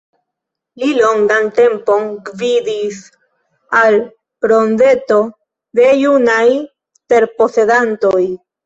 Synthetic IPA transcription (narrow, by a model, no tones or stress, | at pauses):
lilo̞ŋɡante̞mpo̞ŋɡvidis | al | bɾo̞nde̞to̞ | de̞junaj | te̞ɾpo̞se̞danto̞j